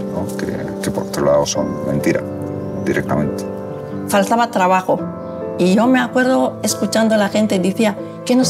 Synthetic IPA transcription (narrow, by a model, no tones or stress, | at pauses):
nokḛ | kepoɾot̪ɾolaoso̞mmẽ̞̰nt̪iɾa̰ | d̪iɾek̚t̪amẽ̞nt̪e̥ | falt̪aβat̪ɾaβ̞axo | iʝo̞me̞akwe̞ɾð̞o̞e̞skut͡ʃand̪olaxẽ̞nt̪e̞d̪iθia | kenos